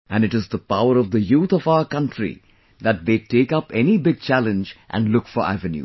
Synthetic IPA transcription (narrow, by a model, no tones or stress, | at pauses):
æ̃nɖɨʈɪzd̪əpaʊəɾɔʋd̪əjuːt̪ʰɔfaʊəɾkʌ̃nʈɾḭ | d̪æʈ̚d̪eːʈeːkʌpɛnibɪɡ̚t͡ʃælə̃nd͡ʒʔæ̰̃nɖlʊkfɔɾæ̰ʋɨ̃njṵː